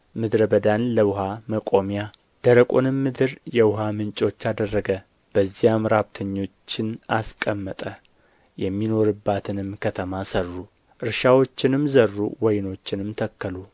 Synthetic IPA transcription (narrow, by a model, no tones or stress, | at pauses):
mɨd̪ɾəbəd̪anləwʊɦaməkʼomija | d̪̥əɾəkʼonɨmːɨd̪ɨɾjɛwʊɦamɨnt͡ʃʼo̞t͡ʃːad̪ərːəɡə | b̥əzːijamɾabt̪ʰəɲːo̞t͡ʃːɪnaskʼəmːət̪ʼə | jɛmːino̞ɾɨbːat̪ʰɨnɨmkʰət̪ʰəmasərːu | ʔɨɾʃawo̞t͡ʃːɪnɨmzərːṵwɔjno̞t͡ʃːɪnɨmt̪ʰəkːəlu